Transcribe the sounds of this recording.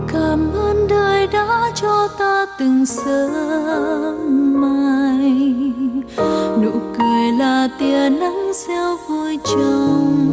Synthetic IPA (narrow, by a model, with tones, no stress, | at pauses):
kaː˧˩mʔəː˧nɗəː˨˩jɗa̰ː˧˥t͡ɕɔ˧t̪aː˧t̪ɨ˨˩ŋsəː˧˦ | maː˧j | nṵ˧˥kəː˨˩jlaː˨˩t̪i˨˩əna˧˦ŋsɛ˧wvu˧jt͡ɕə˧wŋ͡m